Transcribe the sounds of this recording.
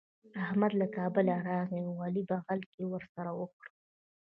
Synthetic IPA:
ahmad̪lakɑbəlaɾɑɣiawwalibaɣalkewəɾsaɾawəkɽu

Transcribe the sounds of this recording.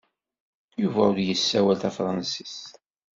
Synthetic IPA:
juvæʊɾjəsːæwælt̪æfɾˤɑnsi̥s

